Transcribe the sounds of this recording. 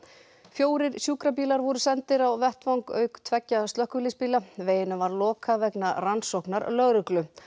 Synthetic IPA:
fjoːwɾɪɾ̥sjuːkɾapiːlaɾvɔɾʏsɛnt̪ɪɾawvɛht̪vawŋkœ̰ːɥkt̪ʰvɛcːast̪œhkʏlispiːlaveːjɪnʏvaɾlɔːkʰavɛknaransowhknaɾlœɣɾʏklʏ

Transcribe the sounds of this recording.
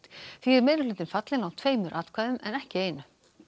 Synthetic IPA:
θiɛɾmɛːðɾɪlɪːt̪ɪnfat̪lɪnawt̪ʰv̥eːjmʏɾʔaːt̪kʰvaːðʏmɛ̰nɛhcɪeːjnʏ

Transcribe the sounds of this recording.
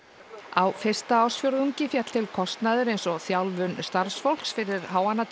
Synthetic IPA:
awfɪr̥st̪aaw̥sfjowɾuɲcɪfjat̪l̥t̪ʰɪlkʰɔst̪naðʏɾejnsɔθjawlvʏnst̪aɾ̥sfowl̥ksfɪɾɪɾ̥ɦaːwanːat̪

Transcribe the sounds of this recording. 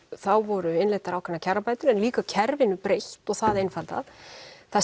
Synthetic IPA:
θawvɔɾʏɪnlejht̪aɾaːwkʰɛnacʰarːapajt̪ʏɾɛnliːkacʰɛɾvɪnʏpɾejht̪ɔɣθaðejnfalt̪a̰ðθa

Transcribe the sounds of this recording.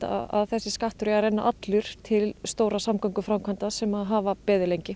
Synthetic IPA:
a̰a̰ðθɛsːɪskaht̪ʏɾɪarɛnːa̰ʔat̪lʏɾ̥t̪ʰɪlst̪oːwɾasamkɔŋkʏfɾamkʰant̪asɛmaðɦaːvapɛːðʏlejɲcɪ

